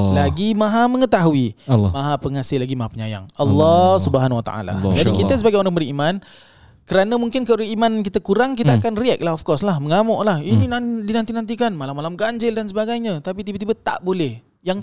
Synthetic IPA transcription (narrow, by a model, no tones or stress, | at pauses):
laɡimãɦaməŋət̪aɦuimaɦapəŋasɪlaɡimaɦapəɲaja̰ŋɑlːɔsubəɦanwat̪a̰ʔa̰la̰d͡ʒadikit̪əsəbaɡajoɾaŋbəɾiman | kəɾanamuŋkɪnkəɾiimankit̪akuɾaŋk̬it̪aakanriɛk̚laɔfkɔrslahməŋamɔʔlahininadinant̪inant̪̬ikanmalamːalamɡaɲd͡ʒɪldansəbaɡajɲãt̪apit̪ibət̪ibat̪a̰ʔbolɛh | jaŋ